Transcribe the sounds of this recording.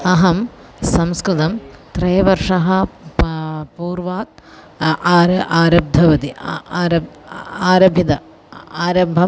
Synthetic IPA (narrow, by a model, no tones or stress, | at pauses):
ɐɦɐmsɐmskɾɨt̪ɐmt̪rɐjɐʋɐrʂɐɦɐ | puːrʋaːk̚ː | ɾɐʔaːɾɐb̚d̪ʱɐʋɐd̪iːɾɐaːɾɐbʱid̪ɐ | aːɾɐbʱɐm